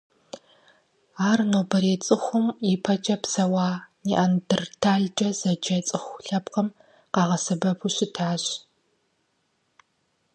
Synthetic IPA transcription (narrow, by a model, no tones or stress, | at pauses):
aːrnoːbɐɾeːt͡sʼɨxʷʊmjipʰɐt͡ʃʼɐpsɐwaːniʔɐndɨrtʰaːɮd͡ʒʼɐzɐd͡ʒɐt͡sʼɨxʷɬɐpqɐm | qɑːʁɐsɐbɐpʰuɕɪtʰaːɕ